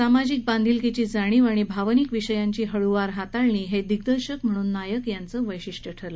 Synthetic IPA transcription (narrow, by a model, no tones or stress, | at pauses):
samad͡ʑik̚band̪ʱilket͡ɕiːd͡zaɽ̃iːʋaɽ̃ibʱaʋnikʋiɕəjaɲt͡ɕiːɦəɭuʋaɾɦat̪aɭɳiːɦed̪iɡd̪əɾɕəkm̤əɽ̃uːnːajəkjant͡səːʋəjɕiʂʈəʈʰəɾlə